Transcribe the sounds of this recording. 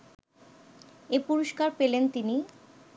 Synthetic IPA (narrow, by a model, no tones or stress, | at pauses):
epuɾoʃkaɾpelent̪ini